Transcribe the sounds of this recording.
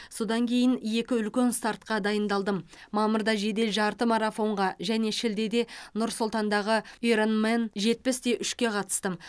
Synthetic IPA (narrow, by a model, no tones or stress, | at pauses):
so̞d̪ɑŋkʲʰe̞jɪnje̞kʲɪʏlkʲe̞nst̪ɑɾt̪qɑd̪ɑjənd̪ɑlˠd̪əm | mɑmʊɾd̪ɑʒe̞d̪e̞lʒɑɾt̪əmɑɾɑfo̞ɴʁɑʒæne̞ʃɪld̪e̞d̪e̞nʊɾsʊlˠt̪ɑnd̪ɑʁəeɾonmenʒe̞t̪̚pɪsd̪e̞ʔʏʃkʲe̞qʰɑt̪ə̥st̪əm